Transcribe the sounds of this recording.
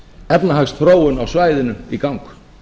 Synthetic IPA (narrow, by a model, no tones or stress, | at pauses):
ɛpnaɦaxst̪θfɾoːwʏnawsvaːjðɪnʏikawŋk